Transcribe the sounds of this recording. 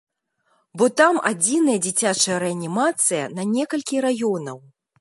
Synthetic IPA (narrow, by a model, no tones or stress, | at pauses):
bɔt̪ama̰d͡zʲinɐjɐd͡zʲit͡sʲat͡ʂɐjɐɾɛɐnʲimat̪sɨjɐnɐnʲɛkɐlʲkʲiɾajɔnɐw